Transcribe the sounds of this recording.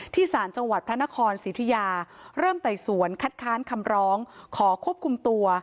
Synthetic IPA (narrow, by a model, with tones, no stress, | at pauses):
t̪ʰiː˥˩saː˩˦nt͡ɕa˧ŋwa˨˩t̪̚pʰɾa˦˥na˦˥kʰɔː˧nsiː˩˦t̪ʰa˧jaː˧ɾɤː˥˩mt̪a˨˩jsu˩˦ənkʰa˦˥t̪̚kʰaː˦˥nkʰa˧mɾɔː˦˥ŋkʰɔː˩˦kʰu˥˩əp̚kʰu˧mt̪u˧ɐ